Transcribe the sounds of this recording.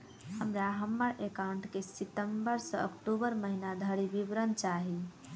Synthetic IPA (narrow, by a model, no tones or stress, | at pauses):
həmɾaɦəmːəɾʔekaʊɳʈkesiʈəmbəɾsə̃ə̰kʈubəɾməɦinad̪ʱəɾibibɾənt͡ʃaɦi